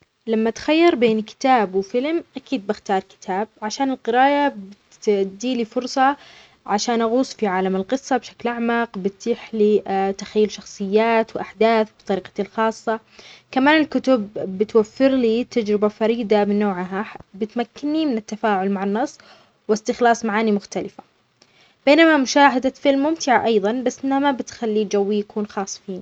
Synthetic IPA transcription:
lamːat̪xajːɑɾˤbeːnkɪ̥t̪aːbwfɪlmʔakiːd̪̚bɪxt̪ɑːɾˤkɪ̥t̪ʰaːb̚ʕaʃaːnɪlqɨɾaːʔab | d̪iːlifʊɾsˤɑ | ʕaʃaːnʔaɣuːsˤfiʕaːlamɪlqɨsˤːɑbʃaklʔaʕmaqbɪt̪ːiːħlit̪ḁxajːʊlʃɑxsˤɨjːaːt̪wʔaħd̪aːθbt̪ˤɑɾiːqɑt̪ilxɑːsˤːɑ | kamaːnɪlkʊt̪ʊbːɪt̪wafːɪɾlit̪ad͡ʒɾɪbafɑɾiːd̪amɪnːoːʕɦabɪt̪makːɪnːimɪnɪt̪ːafaːʕʊlmaʕanːɑsˤː | wɪst̪ɪxlɑːsˤmaʕaːnimʊxt̪alɪfḁ | b̥eːnamamʊʃaːɦad̪afɪlmːʊmt̪ɪʕaʔɑjðˤɑnbasːʔɪnamabɪt̪xalːid͡ʒawːijakʰuːnxɑːsˤfiːni

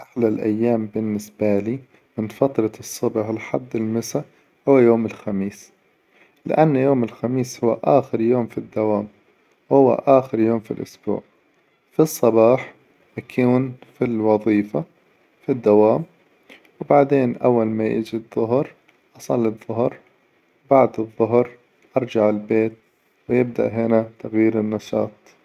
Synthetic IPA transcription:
ʔaħlalʔa̰jːaːmbɪnːɪsbaliː | mɪnfat̪ɾˤɑsˤːɨbʕlħad̪ːɪlmɪsa | hʊwːajoːmɪlxamiːs | lɪ̰ʔanːjoːmɪlxamiːshʊwːa̰ʔaːxɪɾjoːmfid̪ːawaːm | whʊwːa̰ʔaːxɪɾjoːmfḭlʔʊsb̥ṵːʕ | fisˤːɑbɑːħ | makʰuːnfilwɑðˤiːfa | fid̪ːawaːm | wbaʕd̪eːnʔawːalmajḭd͡ʒiðˤːʊɦɾ | ʔɑsˤɑlːɪbðˤːʊhɾ | wbaʕd̪ɨðˤːʊɦɾ | ʔɑɾˤd͡ʒaʕɪlbeːt̪̚ | wɪjɪb̚d̪a̰ʔɦɪnat̪aɣjiːɾɪnːɑʃɑ̰ːt̪̚ˤ

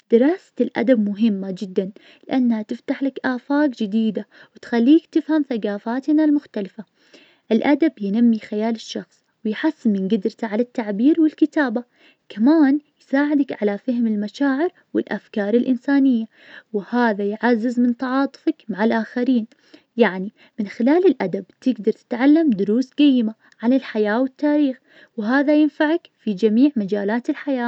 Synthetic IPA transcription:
d̪̥ɪɾˤɑːsḁlʔa̰d̪ab̚mʊɦɪmːad͡ʒɪd̪ːan | lɪʔanːhat̪ɪft̪aħlakʔaːfaːkd͡ʒɪd̪iːd̪awɪt̪xalːiːkt̪ɪfhamθaɡaːfaːt̪nalmʊxt̪alɪfa | ʔɪlʔad̪abjɪnamːixajaːlɪʃːɑxsˤ | wɪjħasːɪmɪnɡɪd̪ɾt̪aʕalat̪ːaʕbiːɾwɪlkɪt̪aːba | kamaːnjsaːʕɪd̪akʕalafɪhɪmɪlmaʃaːʕɪɾ | wɪ̰lʔa̰fkɑːɾˤɪlʔɪnsaːnɪjːa | wɪhaːðajʕazːɪzmɪnt̪ɑʕɑːt̪ˤʊ̥fakmaʕalʔaːxaɾiːn | jaʕni | mɪnxɪlaːlɪlʔad̪ab̚t̪ɪɡd̪ɑɾˤt̪ɪ̥t̪ʕalːamd̪ʊɾuːsqajːɪma | ʕanɪlħajaːwɪt̪ːaːɾiːx | wɦaːðajɪnfaʕakfid͡ʒamiːʕmad͡ʒaːlaːt̪ɪlħajaː

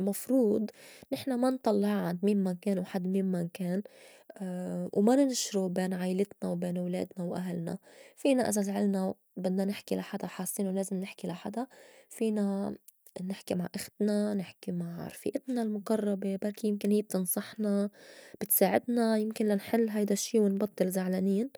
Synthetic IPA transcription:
mɑfɾuːd̪nɪħnamant̪ˤɑlːɪʕʕand̪miːnmakeːnwħad̪ːmiːnmankeːn | wmanɪnʃɾubeːnʕaːjlɪt̪nawbeːnwlḛːd̪nawʔaɦɪlna̰fiːnaʔɪzazʕɪlna | bɪd̪nanɪħkilaħad̪aħaːsˤːiːnuleːzɪmnɪħkilaħa̰d̪afiːna | nɪħkimaʕʔaxt̪nanɪħkimaʕ̰ɾˤfḭːʔɪt̪nalmʊqɑrˤːɑbebaɾkijɪmkɪnhiːb̚t̪ɨnsˤɑħnab̥ɪt̪saːʕɪ̰d̪najɪmkɪnlanħɪlːɦajd̪aʃːiːwɪnbɑt̪ˤːɨlzaʕlaniːn

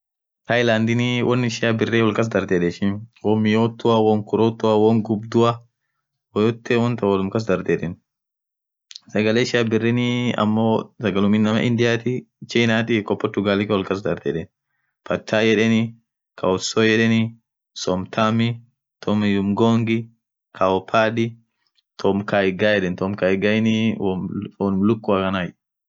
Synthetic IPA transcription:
t̪ʰɐjlaːnd̪ɪnɪwʔɔnːɪʃɪjabɪrːeːwɔlkɐs̬d̪ɐɾd̪eːᶑɛʃɪnwɔmɪjoːt̪ːʊɐwɔŋkʊɾoːt̪ːʊɐwɔŋɡʊbd̪ʊɐ | wɔjɔt̪ːɛwɔnt̪ɐwɐlʊmkɐs̬d̪ɐɾd̪eːᶑɛn | sɐɡɐleːʃɪjabɪrːɛnɪɐ̰mːoːsɐɡɐlʊmɪnːɐmɐ̰ʔɪnd̪ɪjaːt̪ɪ | t͡ʃiːnaːt̪ɪkʼɔpːɔt̪ːʊɡaːlɪkɐwɔlkɐs̬d̪ɐɾd̪ɛᶑɛn | pɐt̪ʰːaːjɛᶑɛnɪ | kawɔsoːjɛᶑɛnɪ | sɔmt̪ʰamɪ | t̪ʰɔmjʊmɡoːŋɡɪ | kʰaɔpʰːaːd̪ɪ | t̪ʰɔmkaːɪɡaːjɛᶑɛnt̪ɔmkaːɪɡajɛnɪwɔlʊmlʊkːʊakɐnaːj

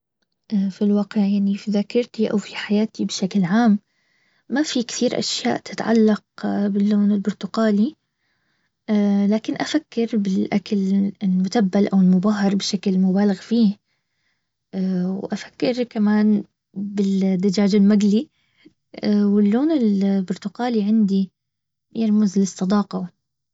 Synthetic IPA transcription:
ʔafilwaːqɪʕjaʕnifiðakɑɾˤt̪iʔa̰wfiħajaːt̪ibɪʃaklʕaːmː | afikt̪ʰiːɾʔa̰ʃja̰ːʔt̪ɪ̥t̪ʕa̰lːɑq̚bɪlːoːnɪlbʊɾt̪ʊqaːli | ʔaːlaːkɪnʔafakːɪɾbɪlʔakalɪlmʊd̪abːalʔawɪlmʊbaːɦɑɾˤbɪʃaklmʊbaːlɪɣfiː | wʔafḁkːɪɾkamaːn | bɪld̪ad͡ʒaːd͡ʒɪlmaɡli | awɪlːoːnɪlbʊɾt̪ʊqaːliʕɪnd̪i | baɾˤmʊzlɪsˤːɑd̪ˤɑːqɑw

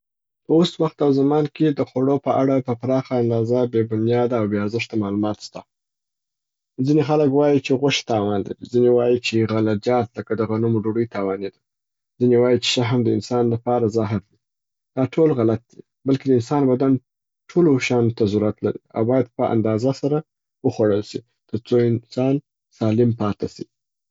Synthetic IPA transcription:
pəoswaxt̪awzamɑnked̪əxaɽopəʔaɽapəpɾɑxaːnd̪ɑzabebʊnjɑd̪aːwbeaɾzəʂt̪amɑlumɑt̪st̪a | zinexaləkwɑjit͡ʃeɣʊʃt̪ɑwɑnla̰ɾḭzinewɑjit͡ʃeɣalad͡ʒɑt̪ləkad̪əɣanumoɖoɽəjt̪ɑwɑned̪a | zinewɑjit͡ʃe̥ʃaɦamd̪əɪnsɑnlapɑɾazaɦɪɾd̪i | d̪̥ɑʈʰolɣalat̪̚d̪i | balked̪əɪnsɑnbad̪an | ʈʰoloʃɑnot̪azuɾat̪laɾḭa̰wbɑjad̪̚pəʔa̰nd̪ɑzasaɾa | wəxwaɽəlsi | t̪əɾt͡soɪnsɑn | sɑlɪmpɑt̪asi

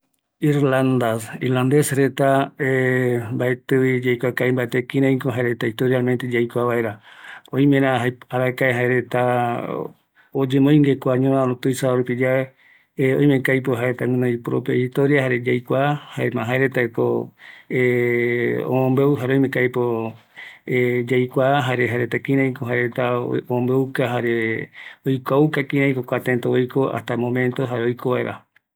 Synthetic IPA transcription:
iɾland̪asiɾland̪esɾet̪aembaet̪ɨwid͡ʒajkʷakaimbaet̪ekĩɾãĩkoɦaeɾet̪aist̪oɾjalmẽnt̪ed͡ʒajkʷaβaeɾaõj̃mẽɾãaaɾaekaeɦaeɾe̞t̪a | od͡ʒẽmoj̃ŋɡekʷaɲõɾaɾõt̪ɨjsaoɾupid͡ʒae | õ̰j̃mẽkajpoɦaeɾet̪amũnõĩpɾopeit̪oɾiahaɾed͡ʒajkʷahaemãɦaeɾet̪aekoe | o̰mõmbewɦaɾeojmẽkajpo | ed͡ʒajkʷaɦaɾeɦaɾet̪akĩɾãj̃koɦaeɾet̪aoõmbeukaɦaɾeojkʷaukakĩɾãj̃kokʷat̪ẽnt̪oojkoa̰st̪amõmẽnt̪oɦaɾeojkʰoβaeɾʔa̰

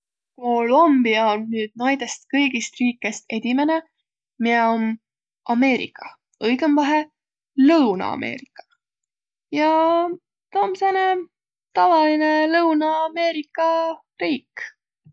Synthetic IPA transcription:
kolombiɑonːyːd̪̥̚nɑjd̪e̞st̪kɤjɡist̪riːkːˑe̞st̪e̞d̪̥ʲime̞ne | mieon | ʔɑme̞ːɾḭkːˑɑ̥ | ɤjɡ̥emvɑɦe | lɤwnɑ̰ɑ̰mʔe̞̰ːɾikːˑɑ̥ | jɑ | t̪oːmsene | t̪ɑvɑline̞lɤwnɑɑme̞ːɾikːˑɑ | riːk

